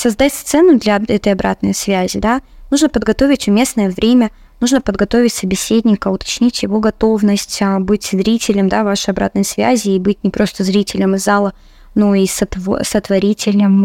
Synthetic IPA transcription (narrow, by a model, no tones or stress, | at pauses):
sɐzd̪atʲst̪sɛnːʊd̪lʲɐɛt̪əjɐbɾʔa̰t̪nəjsvʲæzʲɪd̪anuʐnəpəd̪ɡɐt̪o̞vʲɪtʲvmʲesnəjəvɾʲemʲə | nuʐnəpəd̪ɡɐt̪o̞vʲɪtʲsəbʲɪsʲed̪ʲnʲɪkəʊt̪ɐ̥t͡ɕnʲitʲjɪvo̞ɡɐt̪o̞vnəsʲtʲəbɨtʲzɾʲitʲɪlʲəmd̪avaʂɨjɐbɾa̰t̪nəjsvʲæ̰zʲɪːbɨtʲnʲɪpɾo̞st̪əzɾʲitʲɪlʲəmɨzalˠə | noisət̪vo̰sət̪vɐɾʲitʲɪlʲnəm